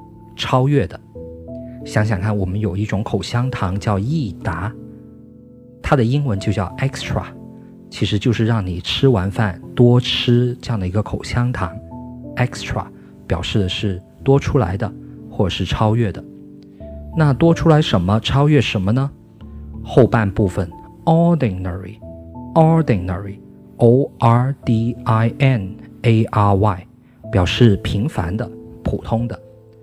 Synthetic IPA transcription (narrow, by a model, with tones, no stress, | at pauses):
ʈ͡ʂʰɑ˥ʊɥɛ˥˩d̪ə˩ | ɕjɑ˧˥ŋɕ̬jɑ˨˩ŋkʰa˥˩nwɔ˨˩mə˦njo˨˩ʊi˥˩ʈ͡ʂʊ˧˥ŋkʰo˨˩ʊɕjɑ˥ŋt̪ʰɑ˧˥ŋt͡ɕjɑ˥˧ʊi˥˩t̪a˧˥ | t̪ʰa˥d̪ə˨i˥ŋwə˧˥nt͡ɕjo˥˧ʊt͡ɕjɑ˥˩ʊʔɛ˥kstʰɹa̰˨˩ | t͡ɕʰi˧˥ʂɻ̩˧˥t͡ɕjo˥˧ʊʂɻ̩˥˧ɻɑ˥˩ŋni˨˩ʈ͡ʂʰɻ̩˥wa˧˥nfa˥˩nt̪wɔ˥ʈ͡ʂʰɻ̩˥ʈ͡ʂɤ˥˧jɑ˥˩ŋd̪ə˩i˧˥ɡə˧kʰo˨˩ʊɕjɑ˥ŋt̪ʰɑ̰˧˥ŋɛ˥kstʰɹa̰˧˩˦ | pjɑ˨˩ʊʂɻ̩˥˩d̪ə˩ʂɻ̩˥˩ | t̪wɔ˥ʈ͡ʂʰu˥la̰˧˥ɪd̪ə˧xwɔ˥˩ʈ͡ʂə˨˩ʂɻ̩˥˩ʈ͡ʂʰɑ˥ʊɥɛ˥˩d̪ə˩ | na˥˩t̪wɔ˥ʈ͡ʂʰu˥la˧˥ɪʂə˧˥nmə˧ʈ͡ʂʰɑ˥ʊɥɛ˥˩ʂə˧˥nmə˧nə˧ | xo˥˧ʊpa˥˧npu˥˩fə˩n | ɔ˥d̪i˨˩nnə˨˩ɹḭ˨˩ɔ˥d̪i˨˩nnə˨˩ɹi˩ | o˥ʊʔa˧˥t̪i˥a˥ɪɛ˥˩ne˥ɪʔa˥wa˥˩ɪ | pjɑ˨˩ʊʂɻ̩˥˩pʰi˧˥ŋfa˧˥nd̪ə˧pʰṵ˨˩t̪ʰʊ˥ŋd̪ə˨